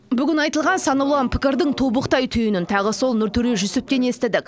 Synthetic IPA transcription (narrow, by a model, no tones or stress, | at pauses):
bʏɡʲɪnɑjt̪əlˠʁɑnsɑnɑwlˠɑnpʰɪ̥kʲɪɾd̪ɪɴt̪ʰobəqt̪ɑjt̪ʰʏjɪnɪnt̪ʰɑʁəso̞lˠnʏɾt̪ʰʏɾeʒʏsɪp̚t̪ʲe̞ne̞st̪ɪd̪ɪkʲ